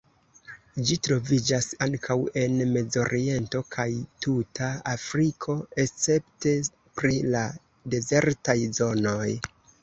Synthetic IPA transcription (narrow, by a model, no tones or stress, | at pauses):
d͡ʒitɾo̞vid͡ʒasaŋkʰawe̞nme̞zo̞ɾʔie̞nto̞kʰajtutʰaafɾikʰo̞e̞st͡se̞pte̞ | pɾila | de̞ze̞ɾtajzo̞no̞j